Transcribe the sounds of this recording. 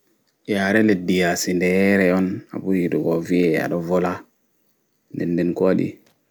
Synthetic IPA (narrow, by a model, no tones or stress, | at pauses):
jaɾeledijasindejeɾejona̰bujiduɡovieja̰dovola | ndendenkoadḭ